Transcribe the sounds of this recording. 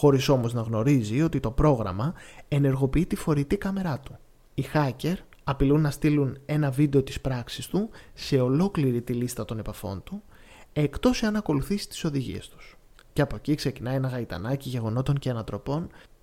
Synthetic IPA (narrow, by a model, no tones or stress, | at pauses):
xo̞ɾiso̞mo̞znɐɣno̞ɾizio̞t̪it̪o̞pɾo̞ɣɾɐ̰mɐe̞ne̞ɾɣo̞piit̪ifo̞ɾit̪ikɐme̞ɾɐt̪u̥ | ixɐce̞ɾ | ɐpilunːɐst̪ilune̞nɐvid̪e̞o̞t̪i̥spɾɐksi̥st̪use̞o̞lo̞kliɾit̪ilist̪ɐt̪o̞ne̞pɐfo̞̰nt̪u | e̞kt̪o̞siɐnɐko̞luθisi̥t̪i̥so̞ðiʝḭe̞̰st̪u̥s | ce̞ɐpo̞cikse̞cinɐie̞nɐɣɐit̪ɐ̰nɐciʝe̞ɣo̞no̞t̪o̞ɲceɐnɐt̪ɾo̞po̞n